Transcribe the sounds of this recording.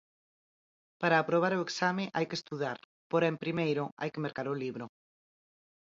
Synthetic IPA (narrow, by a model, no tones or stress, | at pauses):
paɾaːpɾoβ̞aɾoeksamɪʔajkest̪uðaɾ | poɾaempɾimejɾʊʔa̰jkemeɾkaɾʊliβɾo